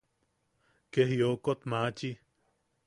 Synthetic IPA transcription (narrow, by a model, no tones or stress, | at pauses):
kehjokot̪maːt͡ʃi